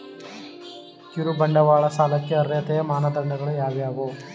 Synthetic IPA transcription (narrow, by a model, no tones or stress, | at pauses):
kiɾubɐɳɖɐʋaːɭɐsaːlɐkːeɐɾːeːt̪ɛjɐmaːnɐd̪ɐɾɳɐɡɐɭujaːʋijaːɡoː